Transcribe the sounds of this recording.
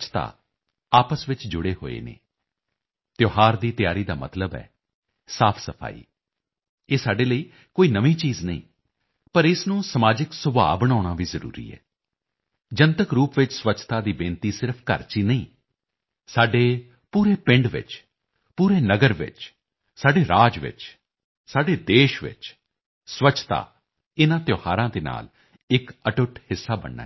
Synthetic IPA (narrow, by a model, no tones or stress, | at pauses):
t͡ʃʰt̪a̰ː | aːpəsʋɪt͡ʃd͡ʒʊɽeːɦo̰ːḛːnḛː | t̪joːɦaːɾd̪iːt̪ɪjaːɾiːd̪a̰ːmə̰t̪ləbɛ̰ː | saːpʰsəpʰa̰ːḭː | eːsaːɖeːləiː | koːiːnəʋĩːt͡ʃiːznəḭ̃ː | pəɾɪsnũːsəmaːd͡ʒɪksʊba̰ːbəɽ̃aːɽ̃aːʋiːzəɾṵːɾḭːɛ̰ː | d͡ʒənt̪əkɾuːpʋɪt͡ʃsʋət͡ʃʰt̪aːd̪iːbẽːnt̪iːsɪɾpʰkə̰ɾt͡ʃiːnəḭ̃ː | saːɖeː | puːɾeːpɪ̃ɳɖʋɪ̰t͡ʃ | puːɾeːnəɡəɾʋɪ̰t͡ʃ | saːɖeːɾaːd͡ʒʋɪ̰t͡ʃ | saːɖeːd̪eːʃʋɪ̰t͡ʃ | sʋət͡ʃʰt̪a̰ː | ɪnãːt̪joːha̰ːɾãːd̪eːna̰ːl | ɪkəʈʊʈhɪsːaːbə̰ɳːa̰